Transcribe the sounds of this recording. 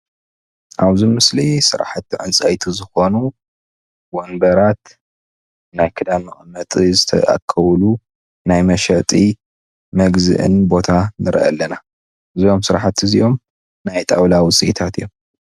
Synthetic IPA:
ʔaβzimɨslisɨɾa̰ħat̪ːiʕɨnt͡sʼajt̪ʰizɨxo̞nu | wonb̪ɐɾat̪ | najkʰɨd̪amɨχʼɨmːɐt̪ʼizɨt̪ʰɐ̰ʔa̰kʰːɐwlu | najmɐʃɐt̪ʼi | mɐɡzɨ̰ʔɨ̰nbo̞t̪ʰanɨɾʔɐ̰lːɐna | ɨzijo̞msɨɾaħat̪ɨzijo̞m | najt̪ʼawlawʊt͡sʼiit̪ʰat̪ɨjom

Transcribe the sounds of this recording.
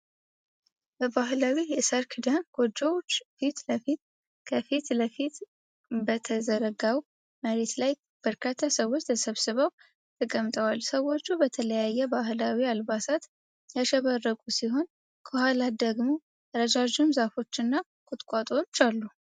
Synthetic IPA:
bəbahlawijɛsəɾkʰɨd̪əmɡ̥o̞d͡ʒəwot͡ʃːfit̪ləfit̪̚ | kʰəfit̪ləfit̪ | bət̪ʰəzəɾəɡaw | məɾe̞t̪laj | b̥əɾkʰat̪ʰːasəwːo̞t͡ʃːt̪ʰəsəβsɨβəw | t̪ʰɨkʼəmt̪ʼəwalsəwo̞t͡ʃːubət̪ʰələjajːɛbaɦlawialbasat̪ | jaʃɛβərːəkʼusiɦo̞n | kʰohalad̪əɡmo̞ | ɾəd͡ʒad͡ʒumzafo̞t͡ʃːɨnːa | kʼʊt̪ʼkʷʼat̪ʼo̞t͡ʃːalːu

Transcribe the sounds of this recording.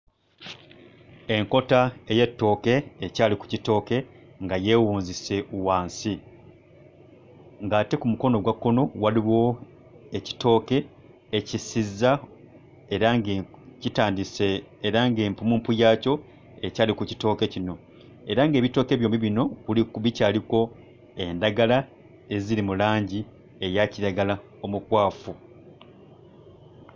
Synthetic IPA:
e̞ŋko̞taeje̞tːo̞ːke̞ːcaːliku̥cito̞ːke̞ | ŋɡaje̞ːwuːnzise̞uwaːnsi | ŋɡaːte̞kumuko̞no̞ɡwakːo̞no̞waliβo̞ | eci̥to̞ːke̞ː | cisizːa | eɾaŋɡcitaːndiseːɾaŋɡe̞ːmpumuːmpujaːco̞ | e̞caːlikuci̥to̞ːke̞cino̞ | e̞ɾaŋɡe̞ːβito̞ːke̞ːβjo̞ːmiβino̞kulikuβicaːliko̞ | e̞ndaɡala | e̞ziɾimulaːɲɟi | ejaciɾaɡala | o̞mukwaːfu

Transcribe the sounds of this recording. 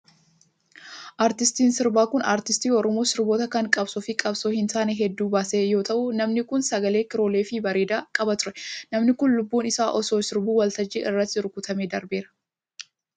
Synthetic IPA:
ʔaːɾt̪ɪst̪iːnsɪɾbaːkʊnaːɾt̪ɪst̪iːɔɾɔmoːsɪɾbo̞ːt̪ɐkɐŋkʼɐbsʊfɪkʼɐbsoːhɪnt̪aːnɛɦɛd̪ːuːbaːseːjo̞ːt̪ɐʔʊnɐmnɪkʊnsɐɡɐle̞ːkɪɾo̞ːle̞ːfɪbɐɾeːd̪aːkʼɐbɐt̪ʊɾɛ̥nɐmnɪkʊnlʊbːuːnɪsaːʔɔso̞ːsɪɾbuːwɐlt̪ɐd͡ʒiʔɪrːɐt̪ːɪɾʊkʊt̪ɐmeːd̪ɐɾbeːɾɐ̥

